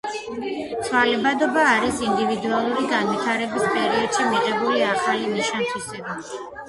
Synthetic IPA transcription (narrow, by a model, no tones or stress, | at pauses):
t̪sʰvalɛbad̪ɔbaːɾisind̪ivid̪ualˠuɾiɡanvit̪ʰaɾɛbispʼɛɾiɔd̪̥ʃimiqʼɛbuliaχalimiʃant̪ʰwisɛba